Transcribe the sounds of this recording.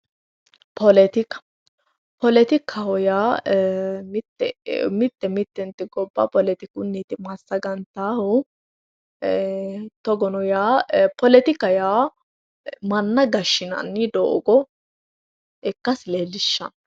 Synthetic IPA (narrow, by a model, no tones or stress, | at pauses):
pɔlɛt̪ɪkɐ̥ | pɔlɛt̪ɪkʰːɐhɔjaː | mɪt̪ːɛ̰mɪt̪ːɛmɪt̪ːɛnt̪ɪɡɔbːɐ̰pɔlɛt̪ɪkʊnːit̪ɪmɐsːɐɡɐnt̪aːhʊ | t̪ɔɡɔnɔjaːpɔlɛt̪ɪkɐjaː | mɐnːɐɡɐʃːɪnɐ̰nːɪd̪o̰ːɡɔ | ɛkːɐsleːlɪʃːɐ̰n